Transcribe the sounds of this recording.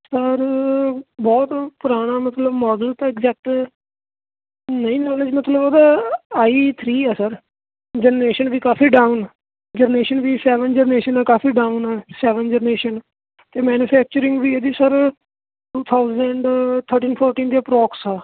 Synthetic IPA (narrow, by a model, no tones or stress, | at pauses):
səɾ | bɔːt̪pʊɾaːɽ̃aːmət̪ləbmɔːd̪əlt̪aːɪɡzɛːk̚ʈː | nəĩːnɔːled͡ʒmət̪ləboːd̪aːaːit̪ʰɾiːɛːsəɾ | d͡ʒəɾneːʃənʋiːkaːfʰiːɖaːʊn | d͡ʒəɾneːʃənʋiːsɛːʋənd͡ʒəɾneːʃənɛːkaːfʰiːɖaːʊnɛːsɛːʋənd͡ʒəɾneːʃən | t̪eːmɛːnuːpʰɛːk̚t͡ʃəɾɪ̃ŋɡʋiːeːd̪iːsəɾ | ʈuːt̪ʰaːʊzəɳɖt̪ʰəɾʈĩːnpʰɔːɾʈiːnd̪iaːpɾɔːksɛː